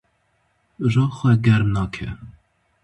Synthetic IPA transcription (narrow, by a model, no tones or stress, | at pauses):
ʒɑːxʷɛɡɛɾmnɑːkʰɛ̰